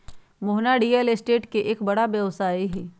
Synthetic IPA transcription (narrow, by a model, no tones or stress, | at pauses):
mʊɦnaɖiːəlɪsʈeːʈkeʔeːkbɐɽabjɐʋsaːiɦɛː